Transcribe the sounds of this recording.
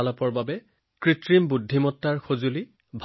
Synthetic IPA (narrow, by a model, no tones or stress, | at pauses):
alapɔɹbabɛ | kɹitɹimbudʱːimɔtːaɹxozuli | bʱ